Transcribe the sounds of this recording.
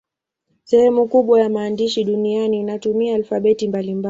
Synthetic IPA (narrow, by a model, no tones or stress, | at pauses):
sɛhɛmukuɓwajamaːndiʃiɗunianiːnatumiaːlfaɓɛtimbalimba